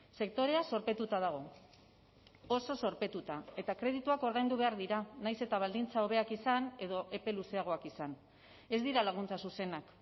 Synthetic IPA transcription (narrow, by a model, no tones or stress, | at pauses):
se̞k̚t̪o̞ɾe̞aso̞ɾpe̞t̪ut̪að̞aɣ̞o̞ | o̞so̞so̞ɾpe̞t̪ut̪ae̞t̪akɾe̞ðit̪uako̞ɾð̞ajnd̪uβ̞e̞aɾðiɾanajse̞t̪aβald̪int͡sao̞β̞e̞akisane̞ð̞o̞ʔe̞pe̞luse̞aɣ̞o̞akisan | e̞zd̪iɾalaɣ̞unt͡sasuse̞nak